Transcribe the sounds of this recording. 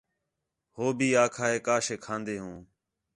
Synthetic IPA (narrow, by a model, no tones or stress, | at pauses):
hoːbiːaːkʰaːeːkaːʃeːkʰãːnd̪eːɦũː